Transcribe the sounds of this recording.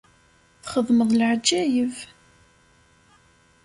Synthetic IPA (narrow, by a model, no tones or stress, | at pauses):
θχəðˤməðˤlʕd͡ʒːæjəv